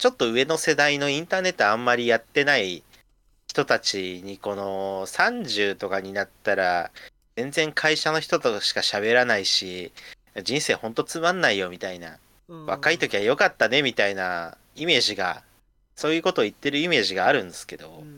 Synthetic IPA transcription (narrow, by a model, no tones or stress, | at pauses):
t͡ɕo̞t̪ːo̞ɯ̟e̞no̞se̞d̪aino̞ĩnt̪aːne̞t̪ːo̞ãmːaɾʲijat̪ːe̞nai | çi̥t̪o̞t̪at͡ɕiɲ̟iko̞no̞sãɲd͡ʑɨːt̪o̞kaɲ̟inat̪ːaɾa̰ | zẽ̞nd͡zẽ̞ŋkʰaiɕano̞çi̥t̪o̞t̪oɕi̥kaɕaβe̞ɾanaiɕijad͡ʑĩɰ̃se̞ːhõ̞nt̪o̞t͡sɨmãnːaijo̞mʲit̪aina̰ | βakait̪o̞kʲiβajo̞kat̪ːane̞mʲit̪aina | ime̞ːʑiɡa̰ | so̞ːjɯ̟ːko̞t̪o̞ːit̪ːe̞ɾɯ̟ime̞ːʑiɡaːɾɯ̟̃nd̪esɨ̥ke̞d̪o̞